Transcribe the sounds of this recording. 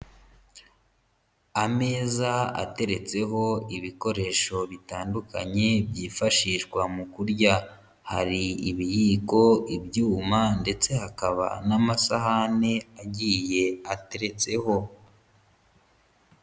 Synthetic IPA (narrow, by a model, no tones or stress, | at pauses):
ame̞ːzaa̰te̞ɾe̞t͡se̞ɦo̞iβiko̞ɾe̞ʃo̞βitaːnduka̰ɲe̞bɟiːfaʃiːʃɡwamukuɾɟa | ha̰ɾiːβijiːko̞ibjuːmande̞t͡se̞hakaβa̰namasaɦane̞aɟije̞ate̞ɾe̞t͡se̞ho̞